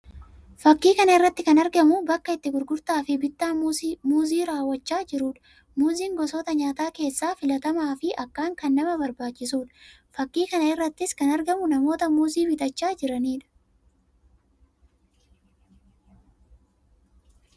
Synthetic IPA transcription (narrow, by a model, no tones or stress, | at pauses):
fɐkːiːkɐnɐɪrːɐt̪ːɪkɐnɐɾɡɐmʊbɐkːɐɪt̪ːɪɡʊɾɡʊɾt̪aːfɪbɪt̪ːaːmuːziːɾaːwːɐt͡ʃːaːd͡ʒɪɾuːᶑɐ̥ | muːziːŋɡɔsoːt̪ɐɲaːt̪aːke̞ːsːaːfɪlɐt̪ɐmaːfɪʔɐkːaːŋkɐnːɐmɐbɐɾbaːt͡ʃːɪsuːᶑɐ̥ | fɐkːiːkɐnɐɪrːɐt̪ːɪskɐnɐɾɡɐmʊnɐmo̞ːt̪ɐmuːziːbɪt̪ɐt͡ʃːaːd͡ʒɪɾɐniːᶑɐ̥